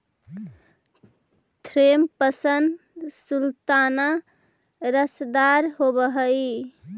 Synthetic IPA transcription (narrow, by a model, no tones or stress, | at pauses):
t̪ʰɾempəsən | sult̪ana | ɾəsd̪aɾɦobəɦəj